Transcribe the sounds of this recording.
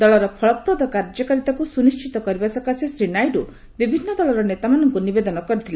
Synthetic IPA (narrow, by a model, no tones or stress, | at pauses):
d̪ɔɭɔɾɔpʰɔɭɔpɾɔd̪ɔkaɾd͡ʒɔkɔɾit̪akusunist͡ʃit̪ɔkɔɾibasɔkasisɾinajɖu | bibʱinːɔd̪ɔɭɔɾɔnet̪amanɔŋkunibed̪ɔnɔkɔɾit̪ʰil